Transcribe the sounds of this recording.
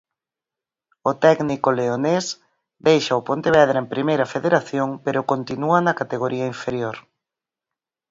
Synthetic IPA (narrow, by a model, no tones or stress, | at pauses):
ʊt̪ɛɡnikoleones | d̪ejʃaʊpont̪eβɛð̞ɾempɾimejɾɐfeðeɾaθjoŋpeɾʊkont̪inuɐnɐkat̪eɣoɾiɐiɱfeɾjoɾ